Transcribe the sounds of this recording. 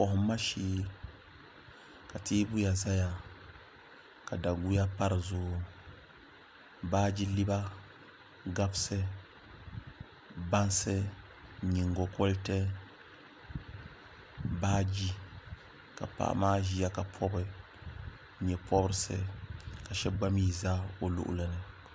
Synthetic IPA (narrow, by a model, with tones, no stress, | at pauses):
ɔ˨hʊ˨˦mːa˦ʃiː˦ | ka˨tiː˦bu˦ja˨za˦ja˨ | ka˨da˨ɡu˦ja˦pa˦ɾɨ˨zʊ˦˨ | baː˦d͡ʒi˦li˦ba˦ | ɡa˦bsɨ˦ | ba˦nsɨ˦ | ɲi˨ŋɡo˨ko˦ltɛ˦ | baː˦d͡ʒi˦ | ka̰˨pa̰˨ʔa̰˦maː˦ʒi˦ja˦ka˨pʰɔ˦bɨ˨ | ɲɛ˨pʰɔ˦bɾɨ˦sɨ̰˦ka˨ʃɛ˦ɡ͡ba˦miː˦za˦o˨lʊ̰˦ʔʊ̰˦la˦nɨ˦